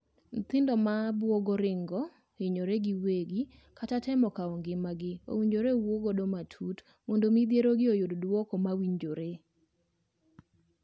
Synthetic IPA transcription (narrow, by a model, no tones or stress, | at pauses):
n̩t̪ɪndɔmabwɔɡɔɾɪŋɡɔ | ɪɲoɾɛɡɪweɡi | katatɛmɔkaɔŋɡɪmaɡɪo̰wiɲd͡ʒoɾewoɡodomatʰut | mondomid̪jeɾoɡɪojoddwɔkɔmawiɲd͡ʒoɾe